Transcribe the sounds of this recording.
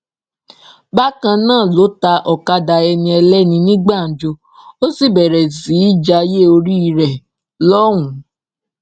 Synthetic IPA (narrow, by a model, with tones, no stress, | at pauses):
ba˦kã˧nãː˦˨lo˨˦ta˧ʔɔ˨ka˧da˧ɛ˧nĩ˧ɛ˧lɛ˦nĩ˧nĩ˦ɡ͡ba˦˨n˨d͡ʒo˧ | o˦si˦˨bɛ˨ɾɛ˨si˨˦i˦d͡ʒa˧je˦o˧ɾi˦i˧ɾɛ˨ | lɔ˦w̃ũ˨˦